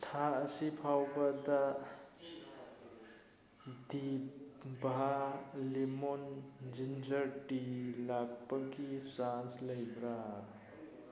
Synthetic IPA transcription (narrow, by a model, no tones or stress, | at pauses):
t̪ʰaːsipʰawbad̪a | d̪ibbʱalimond͡ʒind͡ʒəɾʈilaɡ̚paɡisansləjbɾa